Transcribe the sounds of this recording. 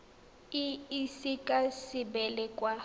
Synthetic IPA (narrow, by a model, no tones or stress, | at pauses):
ɪisikʼasɪbɛlɛkʼwa